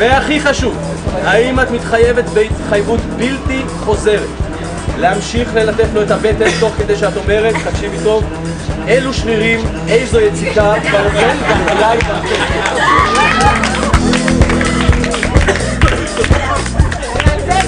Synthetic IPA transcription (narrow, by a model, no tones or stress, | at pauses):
veaχiχaʃuv | aimat̪mit̪χaje̞vet̪beit̪χajvut̪bilti | χo̞ze̞ʁet | leamʃiχle̞lat̪e̞t̪lo̞etabe̞t̪emt̪o̞χked̪e̞jʃeat̪o̞me̞ʁet̪taɡ̥ʃivito̞v | eluʃviʁim | e̞jzo̞jet͡sikabaofenvadalajtatea